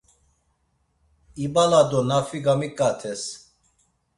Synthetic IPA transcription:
ibalad̪ɔnafiɡamikʼat̪ʰɛs

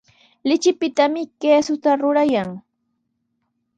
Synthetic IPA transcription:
lɪt͡ʃɪpɪt̪amɪkeːsʊt̪aɾʊɾajaŋ

